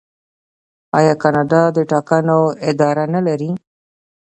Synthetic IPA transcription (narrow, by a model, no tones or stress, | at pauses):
ɑjɑkɑnɑɖɑd̪əʈɑkanoɪd̪ɑɾanalaɾi